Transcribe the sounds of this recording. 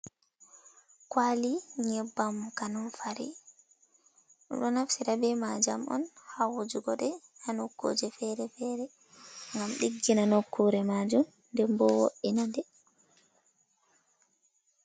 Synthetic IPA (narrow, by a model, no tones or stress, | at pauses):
kwaliɲɛbːamkanɔfaɾḭ | ɗɔ̰ɗɔnafsiɾabɛmad͡ʒamʔɔ̰nhawud͡ʒuɡɔɗɛ | hanokːo̰d͡ʒɛfɛɾɛfɛɾɛ | ŋɡamɗiɡːinanokʰːuɾɛmad͡ʒum | ndɛmbɔwo̰ʔinadɛ